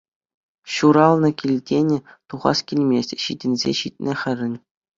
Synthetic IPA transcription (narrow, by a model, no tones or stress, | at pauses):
ɕuɾɑlˠnɤ̆kʲilʲdʲenʲɘ̆t̪uʁɑ̰skʲilʲmʲesʲtʲɕidʲɘ̆nʲzʲḛɕitʲnʲɘ̆χʲɘ̆rʲɘ̆nʲ